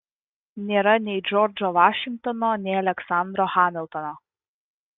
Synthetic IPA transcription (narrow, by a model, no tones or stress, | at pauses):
nʲeːɾɐnʲɛɪd͡ʒɔːɾd͡ʒɔʋɑːʃʲɪŋk̚t̪ɔnɔːnʲɛɪɐlʲɛksɑˑnd̪ɾɔxɑːmʲɪlˠt̪ɔnɔ